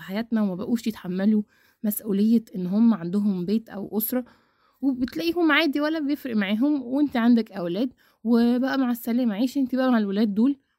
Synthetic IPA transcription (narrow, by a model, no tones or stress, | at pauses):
ħajæːt̪næwemæbæʔuːʃjet̪ħamːælu | mæsʔuːlejːæʔenːɦomːæʕand̪oɦombeːt̪ʔæ̰wʔosɾˤɑ | webet̪læʔiːhomːaʕaːd̪iwælːæbejefɾeʔmaʕiːɦomwent̪iʕand̪ækʔæwlæːd̪ | webæʔæmaʕesːælæːmaʕiːʃʔent̪ibæʔæmaʕelwelæːd̪ːoːl